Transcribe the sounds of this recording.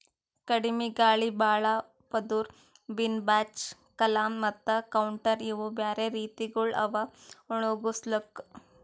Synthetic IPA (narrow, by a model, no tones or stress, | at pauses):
kɐɽimiɡaːɭibaːɭa | pɐd̪uɾ | binbaːt͡ʃ | kɐlaːmːɐt̪ːɐkɐwuɳʈɐɾiʋubjaːɾeɾiːt̪iɡuɭɐ̰ʋauɳ̃oɡuslɐk